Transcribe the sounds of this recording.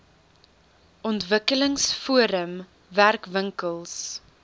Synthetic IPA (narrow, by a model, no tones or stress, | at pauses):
ɔntvəkələŋsfuəɾəm | værkvəŋkəlˠs